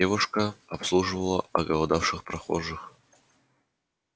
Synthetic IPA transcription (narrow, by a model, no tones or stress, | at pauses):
evʊʂkəɐpslˠuʐɨvəlˠəɐɡəlˠɐd̪afʂɨxpɾɐxo̰ʐɨx